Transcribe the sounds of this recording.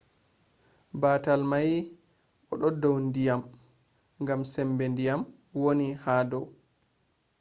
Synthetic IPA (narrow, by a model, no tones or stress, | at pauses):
baːtalmaj | ʔɔɗɔdɔwndijam | ŋɡamsɛmbɛndijam | wonihaːdɔw